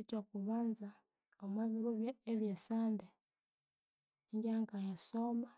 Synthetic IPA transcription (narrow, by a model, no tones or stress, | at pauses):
itokuβaːnza | omweβiɾuβjeːβjesaːnde | ŋɡaːŋkajasoːma